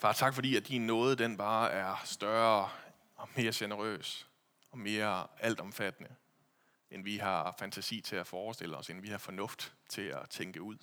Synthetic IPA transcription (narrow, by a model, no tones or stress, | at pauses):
fɑ̈ːt͡sʰɑ̈ɡ̥fɒ̽d̥ḭːæd̥inːɔ̽ːð̞̩ˠd̥enb̥ɑ̈ːæɐsd̥ɶɐ | ɒ̽me̝ːɐɕenəʁø̰ːs | ɒ̽me̝ːɐæl̰d̥ɒ̽mfæd̥ənə | enʋihɑ̈fænt͡sʰæsḭːt͡sʰe̝æfɒːsd̥e̝l̰əɒ̽senʋihɑ̈fɒ̽nɔ̽fd̥t͡sʰe̝læt͡sʰeŋɡ̥əuð̞̰ˠ